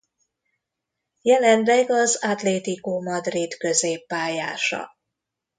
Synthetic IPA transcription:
jɛlɛnlɛɡɒzad̪leːt̪ikomɒd̪rit̪kø̞zeːpːaːjaːʃɒ̰

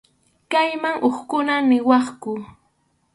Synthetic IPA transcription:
kajmaŋʔoχkʊnanɪwɑχkʊ

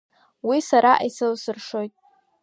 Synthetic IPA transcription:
wisaɾaʔaisɨlsɨrʂo̞jtʼ

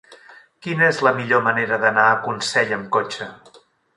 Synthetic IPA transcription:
kinəezləmiʎoməneɾəðənaəkunsɛʎəmkot͡ʃə

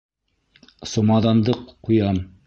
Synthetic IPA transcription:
somɑd̪ɑnd̪ɤqʰːujɑm

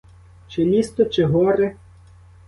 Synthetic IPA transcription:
t͡ʃɪlʲist̪ɔt͡ʃɪɦɔɾe

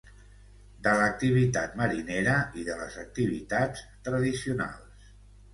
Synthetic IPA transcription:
d̪ələk̚t̪iβ̞it̪at̪məɾineɾəiðələ̰zək̚t̪iβit̪at͡s | t̪ɾəðisiuna̰lˠs

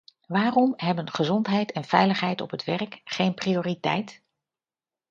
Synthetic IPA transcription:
ʋaːrɔmɦɛbənχəzɔntɦɛjtɛnv̥ɛjləχɦɛjtɔ̰pɦətʋɛrkχejnprioːritɛ̰jt

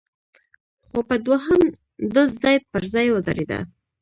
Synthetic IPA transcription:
xopəd̪woɦəm | d̪əzɑjpəɾzɑjwəza̰ɾed̪a̰

